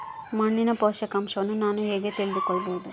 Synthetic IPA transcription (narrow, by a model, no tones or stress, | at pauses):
mɐɳdinɐpoːʃɐkɐmʃɐʋɐnːunaːnuɦeːɡet̪iɭid̪ukɔɭːɐboːd̪u